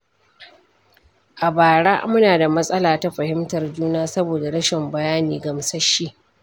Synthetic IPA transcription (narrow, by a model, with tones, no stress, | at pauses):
ʔa˨baː˨ɽa˦mʊ˦naː˨da˨mɐ˦sʼɐ˦laː˨ta˦ɸɐ˨hɪ˦mtɐ˨rd͡ʒuː˦naː˦sɐ˦boː˨da˨ɽɐ˦ʃɪ˨mbɐ˨jaː˦niː˨ɡɐ˨msɐ˦ʃi˦ʔ